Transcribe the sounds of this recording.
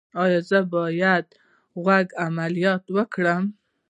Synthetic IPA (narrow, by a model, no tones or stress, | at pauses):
ɑjɑzəbɑjad̪̚ | ɣaɡamalijɑt̪wəkɽəm